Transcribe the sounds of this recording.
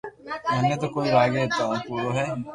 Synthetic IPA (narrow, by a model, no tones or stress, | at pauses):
mɛ̃ːmẽt̪̬okoːiɾaːɡeɛt̪aːũpuːɾoɦɛː